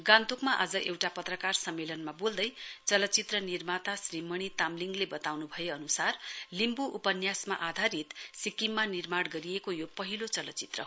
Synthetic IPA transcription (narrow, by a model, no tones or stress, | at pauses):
ɡãnt̪okmaʔa̰d͡zʌʔewʈapʌt̪rʌkarsʌmːelʌnmabold̪ʌjt͡sʌlʌt͡sit̪rʌnirmat̪asrimʌɽ̃it̪amliŋɡlebʌt̪awnubʱʌjeʌnusarlimbuʔupʌnjasma̰ʔad̪ʱaɾit̪sikimːanirmaɽɡʌɾiekojopʌɦilot͡sʌlʌt͡sit̪rʌ̰